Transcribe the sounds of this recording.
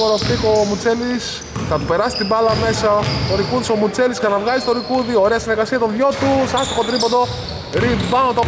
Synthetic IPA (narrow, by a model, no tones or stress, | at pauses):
oɾoflikomut͡se̞lis | θɐt̪upe̞ɾɐsi̥t̪ibɐlɐme̞sɐt̪o̞ɾikuðisomut͡se̞lisksɐnɐvɣɐzist̪o̞ɾikuðioɾeɐsineɾɣɐsiɐt̪oðʝo̞t̪usɐst̪oxot̪ɾipond̪o̞ | ɾibɐnot̪o